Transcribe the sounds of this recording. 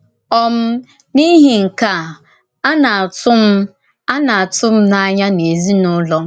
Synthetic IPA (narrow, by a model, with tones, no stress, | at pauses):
ɔ˦m̩˦ | ni˦ɦi˨ŋ̩˨ka˦˨ | a˦na˨a˨tʊ˦m̩˦ | a˦na˨a˨tʊ˦m̩˦na˦ɲa˦ne˨zi˦nʊ˦lɔ˦